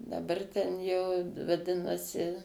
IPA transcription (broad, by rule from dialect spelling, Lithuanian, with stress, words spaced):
dɐˈbɐr tʲɛn jɛʊ ʋɐˈdʲɪnɐsʲɪ